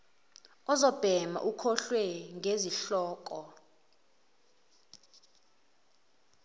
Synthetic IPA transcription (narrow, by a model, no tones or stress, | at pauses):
ɔzɔb̥ʱɛma̰ʔukʰɔɬwɛŋʱeziɬɔːk̬ʼɔ